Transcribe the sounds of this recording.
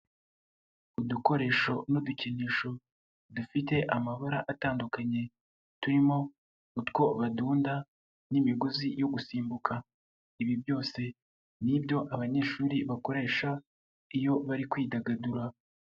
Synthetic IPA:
uduko̞ɾe̞ːʃo̞noduceniːʃo̞ | dufite̞ʔamaβaɾaʔataːndukaɲe̞ | tuɾimo̞ | utko̞βaduːnda | nimiɡozijo̞ɡusiːmbukʰa | iβibjo̞ːse | nibɟo̞ʔaβaɲe̞ːʃuːɾiβako̞ɾe̞ːʃa | ijo̞βaɾikwiːdaɡaduɾa

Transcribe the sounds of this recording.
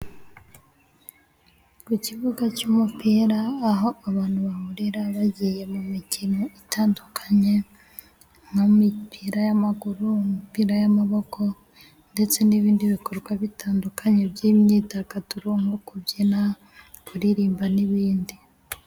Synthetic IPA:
kuciβuɡacuːmupiːɾaːɦo̞aβaːnhuβahuɾeɾaβaɟije̞mumicinoitaːndukʰaɲe̞ | ŋamipʰiɾajamaɡuɾumumipiɾajamaβo̞kʰo̞ | nde̞t͡se̞niβiːndiβikoɾɡwaβitaːndukaɲe̞bjiːmɲiːtakatuɾoŋɡokuβɟina | kuɾiɾiːmbaniβiːndi

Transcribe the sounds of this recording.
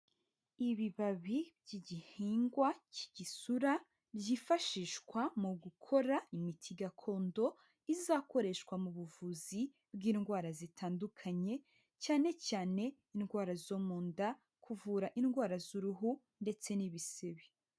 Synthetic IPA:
iβiβaβibɟiɟihiːŋɡwaci̥ɟisuɾa | bjifaʃiʃkwamuɡukʰo̞ɾaimitʰiɡakʰo̞ːndo̞ | izako̞ɾe̞ʃwamuβuvuzi | bɡiːnɡwaːɾazitʰaːndukʰaɲe̞ | caːne̞caːne̞inɡwaːɾazo̞ːmuːnda | kʰuvuːɾaʔinɡwaːɾazuɾuɦu | nde̞t͡se̞niβise̞βe

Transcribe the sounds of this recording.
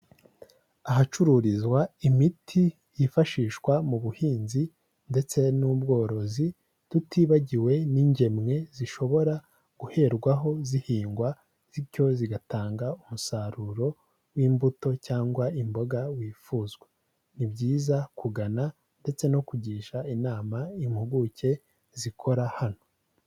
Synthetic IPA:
aɦat͡ʃuɾuɾizwaimitʰi | jifaʃiːʃkwamuβuhiːnzi | nde̞t͡se̞nuːbɡo̞ːɾo̞zi | dutʰiːβaɟiwe̞niɲɟe̞mŋe̞ziʃo̞βo̞ɾa | ɡ̥uhe̞ɾɡwaɦo̞zihiːŋɡwa | z̥ico̞ziɡataːŋɡaumusaɾuɾo̞ | wiːmbuto̞caːŋɡwaimbo̞ɡawiːfuːzɡwe | nibɟiːzakuɡana | nde̞t͡se̞no̞kuɟiːʃainaːmaimhuɡuce̞ | zikʰo̞ɾahano̞

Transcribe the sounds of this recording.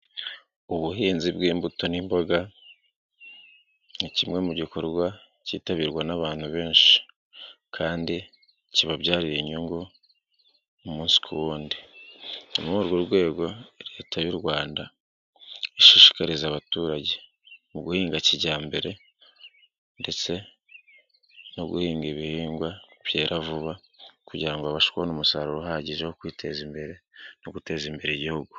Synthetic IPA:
uβuɦiːnzibɡiːmbutonimbo̞ɡa | nicimŋe̞muɟiko̞ɾɡwa | ciːtaβiɾɡwanaβaːn̥huβe̞ːnʃi̥ | kʰaːndi | ciβabɟaːɾiɾeɲuŋɡo | umuːnsi̥kʰuwuːndinumuoɾɡwoɾɡwe̞ːɡo̞ɾetʰajoɾɡwaːnda | eʃuʃi̥kaɾizaβatuːɾaɟe | muɡuhiːŋɡaciɟaːmbe̞ɾe̞ | nde̞t͡se̞ | noɡuhiːŋɡeβihiːŋɡwaβ̥je̞ːɾʔavuβakuɟiɾaŋɡoaβaʃi̥kwahonumusaɾuɾohaɟiʒehokwiːtʰe̞̰zimbeɾenoɡute̞ːzimbe̞ɾeɟihuɡu

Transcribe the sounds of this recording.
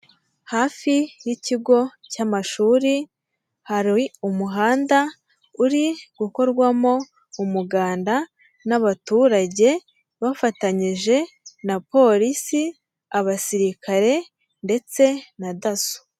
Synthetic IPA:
haːfijiciɡo̞camaʃuːɾi | haɾiumuɦaːnda | uɾiɡ̥uko̞ɾɡwamo̞ | umuɡaːnda | naβatuːɾaɟe̞ | βafataɲiʒe̞ | napo̞ɾisi | aβasiɾikaɾe̞ | nde̞t͡se̞nadasu̥

